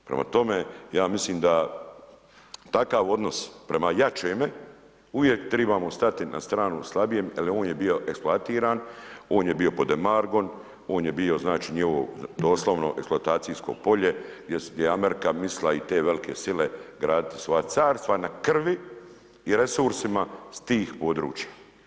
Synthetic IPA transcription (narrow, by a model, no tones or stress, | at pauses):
pɾḛma̰t̪o̞mejaːmisliːmd̪a | t̪akaʋo̞d̪no̞spɾe̞majat͡ʃeːme | uʋjekt̪ɾebaːmost̪at̪inʔa̰st̪ɾaːnuslˠabijeːmalio̞ːnjebio̞ʔe̞ksploat̪iːɾaːno̞ːnjebio̞po̞d̪emaɾɡo̞n | o̞ːnje̞bio̞znaːt͡ʃiːɲiod̪o̞ːslˠoʋno̞̰ʔeksploat̪aːt̪sijsko̞̰po̞ʎe̞ɡjesd̪jeameɾikamislait̪e̞ːʋelikʰe̞sile̞ɡɾaːd̪it̪i̥sʋo̞jat̪saːɾst̪ʋanakr̩ʋi | iɾe̞suɾsimast̪iːxpo̞ːd̪ɾṵːt͡ʃja